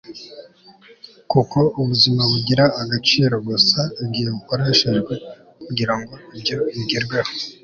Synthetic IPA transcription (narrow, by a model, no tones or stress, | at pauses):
kuko̞ʔuβuzimaβuɟiɾaːɡat͡ʃiːɾo̞ɡosaɡijeukoɾeʃiʒɡwe̞ | kuɟiɾaŋɡo̞ibɟo̞iɡiɾɡweho